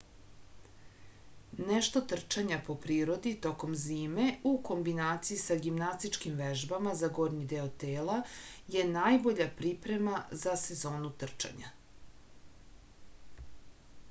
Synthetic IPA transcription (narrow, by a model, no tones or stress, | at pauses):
neʃt̪o̞t̪r̩t͡ʃaɲapo̞pɾiːɾo̞d̪it̪o̞ko̞mziːme̞uko̞mbinaːt̪sijisaɡimnast̪it͡ʃkimʋeʒbamazaɡo̞ːɾɲid̪eot̪eːlaje̞naːjbo̞ʎapɾipɾe̞mazase̞zo̞ːnut̪r̩t͡ʃa̰ɲa̰